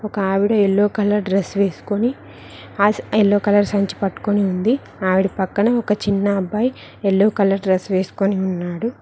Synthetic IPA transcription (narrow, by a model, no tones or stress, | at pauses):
ɔkɐaːʋiɽɐelːoːkɐlɐɾɖɾesʋe̞ːsu̥koni | aelːoːkɐlɐɾsɐɲt͡ʃi̥pɐʈːu̥koniund̪i | aːʋiɽipɐkːɐnɐɔkɐt͡ʃinːɐːbːɐj | elːoːkɐlɐɾɖɾesʋe̞ːsu̥koniunːaːɽu